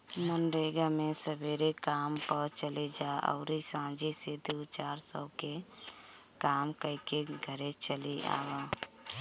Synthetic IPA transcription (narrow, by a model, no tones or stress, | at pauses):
mənɾeːɡamẽsəbeːɾekaːmpəɾt͡ʃəled͡ʒaːʔɔ̰ʊɾisãːd͡ʒised̪uːt͡ʃaːɾsəːke | kaːmkəikeɡʱəɾet͡ʃəlia̰ːʋa